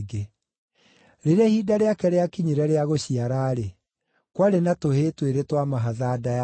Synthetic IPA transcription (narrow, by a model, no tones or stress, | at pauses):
ɡe | ɾeɾɛhiːdaɾeakɛɾeakiɲiɾɛɾeaɣoɕiaɾaːɾe | kwaɾenatoheːtweɾetwamaɦaðaːdaa